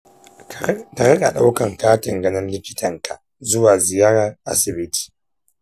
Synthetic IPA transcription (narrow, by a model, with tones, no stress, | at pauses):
ta˨ɾɐ˦ɗa̰˨ɗa˦wkɐ˨ŋkaː˦tɪ˨ŋɡɐ˦nɐ˦nlɪ˦kʲɪ˦tʰɐ˨ŋka˨ | zʊ˦waː˨zɪ˨jaː˦ɾa˨rʔa̰˦sɪ˨bɪ˦tʰi̥ː˨